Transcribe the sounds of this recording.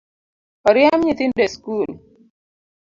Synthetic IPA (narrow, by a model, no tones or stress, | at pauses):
ɔɾjamɲit̪ɪndeskul